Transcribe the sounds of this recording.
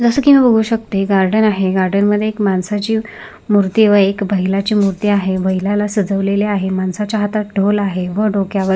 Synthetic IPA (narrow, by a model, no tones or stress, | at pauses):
d͡zəsəːkimibəɡʱuːɕək̚t̪eɡaɾɖənaɦeɡaɾɖənməd̪ʱːjeekmansat͡ɕiː | muɾt̪iʋəekbʱəɦilat͡ɕiːmuɾt̪iaɦebʱəɦilalasəd͡zəʋleleaɦemansat͡ɕjaɦat̪at̪̚ɖʱolaɦeʋəɖokjaʋə